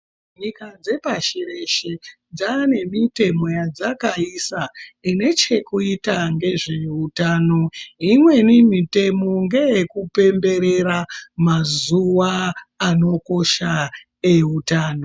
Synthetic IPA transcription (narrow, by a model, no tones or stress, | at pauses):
ɲikad͡ze̞paʃire̞ʃe | d͡zane̞mite̞mo̞jad͡zakaisaine̞t͡ʃe̞kuitaŋɡe̞ʐe̞utaːno̞imwe̞nimite̞mo̞ŋɡe̞ekupe̞mbe̞ɾe̞ɾamazuʋaːno̞ko̞ʃa | eutaːno